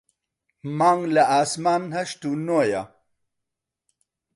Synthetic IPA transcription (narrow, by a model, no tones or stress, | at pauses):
maːŋlaaːsmaːnhɐʂt̪unoja